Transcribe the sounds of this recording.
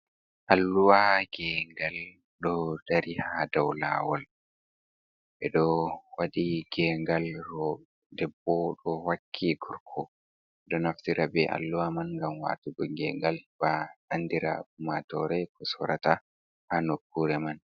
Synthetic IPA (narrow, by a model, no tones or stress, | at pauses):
ʔalːuwaɡɛŋɡal | ɗɔdaɾihadawla̰ːwɔl | ʔɛɗɔwadiɡ̥ɛŋɡalɾɔ | dɛbːɔɗɔwakʰːiɡuɾkʰɔ | ɛɗɔnaftiɾabɛʔa̰lːuwamanŋɡamwa̰tuɡɔɡɛŋɡalb̥aɗanːdiɾa̰bumatɔɾɛkɔsɔɾata | hanokːuɾɛman